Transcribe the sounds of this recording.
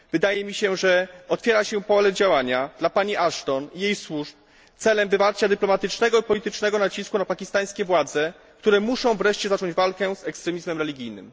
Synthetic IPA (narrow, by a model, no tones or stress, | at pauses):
vɘd̪ajɛmʲiɕɛʐɛɔt̪fʲjɛɾaɕɛpɔlɛd͡ʑawaɲad̪lapaɲiʔaʂt̪ɔnijejswuʂp̚ | t̪sɛlɛmvɘpaɾt͡ɕad̪ɘplɔmat̪ɘt͡ʂnɛɡɔipɔlʲit̪ɘt͡ʂnɛɡɔnat͡ɕiskunapakʲist̪aj̃skʲɛvwad̪zɛ | k̚t̪uɾɛmuʂɔ̃w̃vɾɛʂt͡ɕɛzat͡ʂɔɲd͡ʑvalkɛzɛkst̪ɾɛmʲizmɛmɾɛlʲiɡʲijnɘ̰m